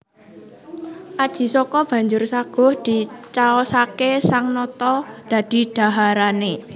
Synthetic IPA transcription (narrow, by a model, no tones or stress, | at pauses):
ʔad̥ʒ̥i̤sɔkɔb̥a̤ɲd͡ʒʊrsaɡ̥ɔ̤hd̪̥i̤t͡ʃaɔsakesaŋnɔt̪ɔd̪̥a̤d̪̥i̤d̥a̤ɦaɾane